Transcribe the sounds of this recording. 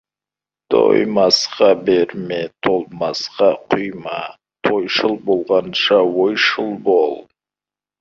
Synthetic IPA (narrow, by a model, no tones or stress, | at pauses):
t̪ʰo̰jmɑsqɑbeɾmet̪ʰolˠmɑsqɑqʰʊjmɑ | t̪ʰo̞jʃəlˠbolˠʁɑnʃɑwojʃəlˠbolˠ